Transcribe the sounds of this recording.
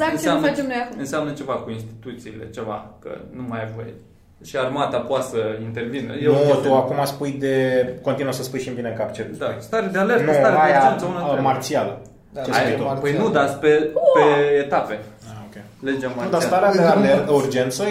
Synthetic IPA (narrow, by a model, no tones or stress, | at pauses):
zaɨnt͡ʃseamnat͡ʃemnojakɨnseamnət͡ʃe̞vakuinst̪i̥t̪ut̪siːle̞̰t͡ʃe̞va̰kə̰numajavoj | ʃiarmat̪apoat̪səint̪e̞rvinə̰jnenutt̪uakumaspuj̪d̪eko̞nt̪inuəsəspujʃimbineŋkapt͡ʃet̪d̪ast̪aɾad̪ealeɾnuaɾeajaeunamart̪sialə | t͡ʃeait̪opəjnud̪at̪sʲpepeːt̪ape̞aokʲe | led͡ʒamaud̪ast̪aɾead̪ealeɾt̪əurd͡ʒe̞nt̪sə